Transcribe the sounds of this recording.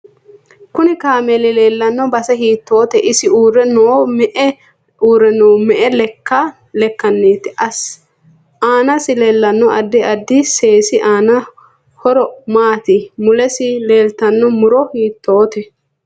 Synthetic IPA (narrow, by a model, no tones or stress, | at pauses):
kʊnɪkaːmɛlɪleːlːɐnːɔbɐsɛhiːt̪ːo̞ːt̪ɛʔɪsɪuːrɛnomɛʔɛ | uːɾːɛnoːmɛʔɛlɛkːɐ | lɛkːɐnːeːt̪ɪɐ | aːnɐsɪle̞ːlːɐnːɔɐd̪ːɪɐd̪ːɪse̞ːsɪʔaːnɐ | hɔɾɔmaːt̪ɪmʊlɛsɪleːlt̪ɐnːɔmʊɾɔhiːt̪ːoːt̪ɛ